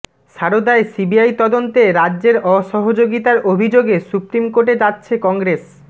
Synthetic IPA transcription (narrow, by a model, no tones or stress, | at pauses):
ʃaɾod̪aesibiajt̪ɔd̪ont̪eɾadːd͡ʑeɾɔʃɔɦod͡ʑoɡit̪aɾobʱid͡ʑoɡesupɾimkoʈed͡ʑatːɕʰekɔŋɡɾes